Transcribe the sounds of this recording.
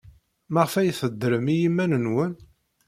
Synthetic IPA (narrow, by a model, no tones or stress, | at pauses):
maʁfæjθəd̪ːɾəmijimːænənwən